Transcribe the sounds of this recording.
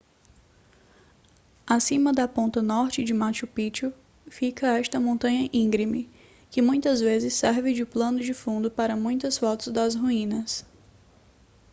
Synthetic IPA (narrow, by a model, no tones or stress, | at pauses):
asĩmɐd̪ɐpõnt̪ɐnɔɾt͡ʃɪd͡ʒɪmat͡ʃʊpit͡ʃʊ | fikɐɛʃt̪ɐmõnt̪ɐ̃ɲɐʔĩɡɾimɪ | kɪmũj̃t̪ɐzvezɪsːɛɾvɪd͡ʒɪplɐ̃nʊd͡ʒɪfũnd̪ʊpaɾɐmũj̃t̪ɐsfɔt̪ʊzd̪ɐzɦuĩnɐs